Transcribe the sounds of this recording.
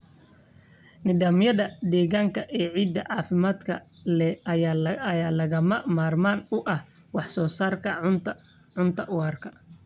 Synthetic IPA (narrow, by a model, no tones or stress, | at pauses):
nɪd̪aːmjɐðɐd̪ɛːɣaːŋkʰɐʔɛːʕiːd̪ːɐʕɑːfɪmaːd̪kʰɐ | lɛɐaːjaːlɐɣɐmɐmaːrmaːnʊʔɐh | wɑħsɔːsaːrkʰɐ | ʕʊnt̪ʰɐʔʊwaːrkʰɐ̥